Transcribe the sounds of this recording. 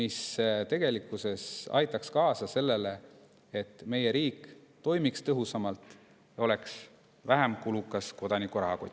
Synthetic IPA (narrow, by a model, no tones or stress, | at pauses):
ist̪e̞ɡ̥e̞likːˑuse̞sɑ̰jt̪ːˑɑkskɑːsɑse̞lːe̞le̞ | et̪ːˑme̞je̞ɾiːkːˑt̪o̞jmikst̪ɤɦusɑmɑlt̪ˑ | jɑo̞le̞ks | væɦæmkulukːˑɑsko̞d̪ɑnikːuɾɑko